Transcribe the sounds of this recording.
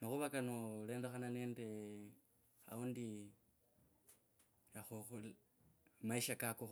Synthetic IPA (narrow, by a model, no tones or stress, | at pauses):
maxuβakanole̞ːndexananeːnde | a̰undi | axuxul | maiʃakakox